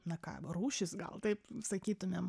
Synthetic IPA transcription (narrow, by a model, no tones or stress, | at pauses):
nɐkɑ̰ːruːʃʲɪsɡɐ̰lˠt̪ɐɪpsɐkʲiːt̪ʊmʲem